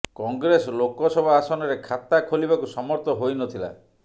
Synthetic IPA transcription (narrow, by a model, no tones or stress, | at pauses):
kɔŋɡɾesɔlokɔsɔbʱɔasɔnɔɾekʰat̪akʰolibakusɔmɔɾt̪ɔɦojnɔt̪ʰila̰